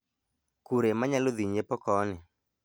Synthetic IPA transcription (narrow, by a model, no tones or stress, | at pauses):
kuɾemaɲaloðiɲepɔkɔnɪ